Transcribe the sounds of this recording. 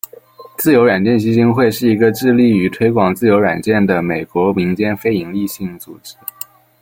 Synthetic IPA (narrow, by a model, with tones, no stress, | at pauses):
t͡sɹ̩˥˩jo˧˥ʊɻwa˨˩nt͡ɕjɛ˥˩nɕi˧˥ɕi˥ŋxwe˥˧ɪʂɻ̩˥˩i˧˥ɡə˧ʈ͡ʂɻ̩˥˧li˥˩y˧˥t̪ʰwe˥ɪkwɑ˨˩ŋt͡sɹ̩˥˩jo˧˥ʊɻwa˨˩nt͡ɕjɛ˥˩nd̪ə˩me˨˩ɪkwɔ˧˥mi˧˥ŋt͡ɕjɛ˥nfe˥ɪi˧˥ŋli˥˧ɕi˥˩ŋt͡su˨˩ʈ͡ʂɻ̩˧˥